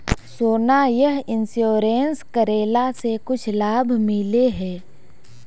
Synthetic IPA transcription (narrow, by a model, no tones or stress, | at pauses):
soːnajəɦɪnsjoːɾeːnskəɾeːlasekʊt͡ʃʰlaːbʱmɪleɦɛː